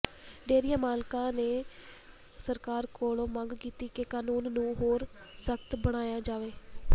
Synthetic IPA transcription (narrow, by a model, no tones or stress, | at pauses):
ɖeːɾɪjãːmaːlkãːneː | səɾkaːɾkoːlõːmə̃ŋɡkiːt̪iːkekaːnuːnːũːɦoːɾ | səkt̪bəɽ̃aːjaːd͡ʒaːʋeː